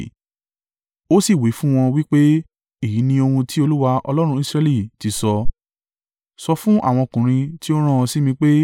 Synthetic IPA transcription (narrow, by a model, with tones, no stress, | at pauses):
o˦si˦˨wi˨˦fũ˦w̃ɔ̃˧wi˦k͡pe˦ | i˦˨ji˨˦nĩ˧o˧hũ˧ti˦o˧lu˦wa˧ʔɔ̰˧lɔ˦ɾ̃ũ˧˦i˦sɾɛ˧˦li˦˨ti˨˧sɔ˧ | sɔ˧fũ˦ʔa̰˦˨w̃ɔ̃˧kũ˨ɾ̃ĩ˧ti˦o˦ɾ̃ã˦˨˧si˦mĩ˧k͡pe˦